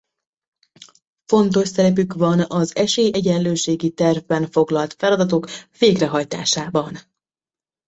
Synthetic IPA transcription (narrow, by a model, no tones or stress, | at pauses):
fo̞nt̪o̞ʃsɛɾɛpykʋɒnɒzɛʃeːjɛɟɛnløːʃeːɡit̪ɛrvbɛnfo̞ɡlɒlt̪fɛlɒd̪ɒt̪o̞kveːɡrɛɦɒjt̪a̰ːʃaːbɒn